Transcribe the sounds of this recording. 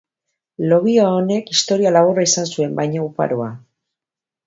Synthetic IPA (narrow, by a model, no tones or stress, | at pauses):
lo̞βioaone̞kist̪o̞ɾialaɣ̞uraisansue̞mbajɲaupa̰ɾoa